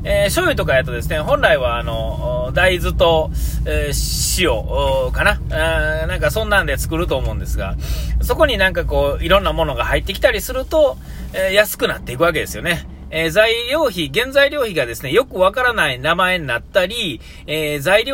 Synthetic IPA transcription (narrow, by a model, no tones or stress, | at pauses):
eːɕo̞it̪o̞kajat̪o̞d̪e̞sɨne̞ɦõ̞nɾaiβaːno̞ | d̪aizɨt̪o̞ | ɕijo̞̰kana | nãŋkasõ̞nːãnd̪e̞t͡sɨ̥kɯ̟ɾɯ̟t̪o̞ːmo̞ɯ̟̃nd̪e̞sɨɡa̰so̞ko̞ɲ̟inãŋkako̞ːiɾõ̞nːamo̞no̞ɡahait̪ːe̞kʲi̥t̪aɾʲisɨɾɯ̟t̪o̞ | ejasɨ̥kɯ̟nat̪ːe̞ikɯ̟βak̬e̞d̪e̞sɨjo̞̰ne̞ | ezaiɾʲo̞ːçiɡẽ̞nd͡zaiɾʲo̞ːçiɡad̪e̞sɨne̞jo̞kɯ̟βakaɾanainamae̞ɲ̟inat̪ːaɾʲi | eːzaiɾʲ